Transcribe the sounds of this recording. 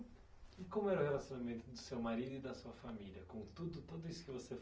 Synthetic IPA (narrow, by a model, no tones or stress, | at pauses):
ɪkõmʊɛɾʊhelasjonamẽnt̪ʊd̪ʊsewmaɾid̪ʊɪd̪ɐsuɐfamiliɐkõt̪ud̪ʊt̪od̪ʊisʊ̥kɪvose